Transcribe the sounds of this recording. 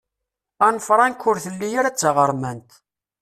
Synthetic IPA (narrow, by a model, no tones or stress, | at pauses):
ænfɾˤɑnkːʊɾθəlːijaɾæt͡sːəʁəɾˤmænt̪